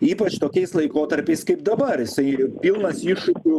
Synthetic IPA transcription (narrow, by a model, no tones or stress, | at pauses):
iːpɐt͡ʃt̪oːkʲɛɪslˠɐɪkoːt̪ɐɾʲpʲɛɪskɐɪpd̪ɐbɐɾjɪsɐɪpʲilˠnɐsiːʃʊkʲʊ